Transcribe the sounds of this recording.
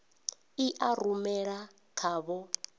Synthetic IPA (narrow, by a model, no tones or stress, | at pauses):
iʔaɾumɛɺa | kʰaːβɔ